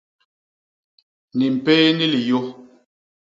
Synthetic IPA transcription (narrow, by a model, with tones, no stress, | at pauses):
ni˨m̩˨pɛː˦ni˦li˨jo˦